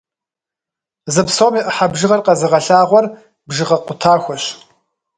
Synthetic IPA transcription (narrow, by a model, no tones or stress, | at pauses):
zɨpsoːmiːʔəħabʒɨʁɐrqɐzɨʁɐɬaːʁʷɔr | bʒɨʁɐqʷʊtʰaːxʷɔɕ